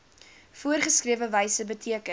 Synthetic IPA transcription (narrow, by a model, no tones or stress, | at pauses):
fuərχəskriəvəvəjsəbətʰiəkə